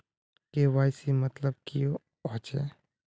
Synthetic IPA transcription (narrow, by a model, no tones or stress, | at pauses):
keːʋaːɪsimɐt̪ləb̚kijo | ɔt͡ʃḛː